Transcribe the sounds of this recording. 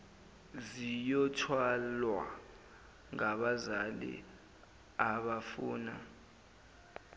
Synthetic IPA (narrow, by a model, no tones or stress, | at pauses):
zijɔtʰwalwa̰ | ŋaɓazalḭ | aɓafuːna